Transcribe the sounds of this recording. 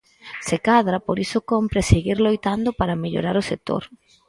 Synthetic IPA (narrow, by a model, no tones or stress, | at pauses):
sekaðɾapoɾisʊkompɾeseɣiɾlojt̪and̪ʊpaɾameʎo̰ɾaɾʊsek̚t̪o̰ɾ